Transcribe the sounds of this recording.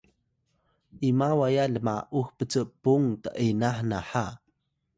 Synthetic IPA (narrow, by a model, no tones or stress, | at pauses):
ʔimawajaɮəma̰ʔuxpət͡səʔpuŋtəʔinaħnaħa